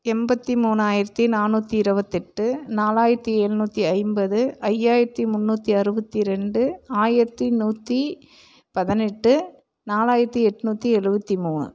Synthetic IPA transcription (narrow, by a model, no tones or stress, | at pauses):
ɛmbɐt̪ːimuːnaːjɪɾɐt̪ːinaːnːuːt̪ːiɪɾɯbɐt̪ːɛʈːɯnaːlaːjɪɾɐt̪ːieːɻnuːt̪ːiɐɪmbɐðɯʔɐjːaːjɪɾɐt̪ːimʊnːuːt̪ːiɐɾɯbɐt̪ːiɾɛɳɖɯaːjɪɾɐt̪ːinuːt̪ːi | pɐðɪnɛʈːɯ | naːlaːjɪɾɐt̪ːiɛʈːɯnuːt̪ːiɛɻɯbɐt̪ːimuːnɯ̰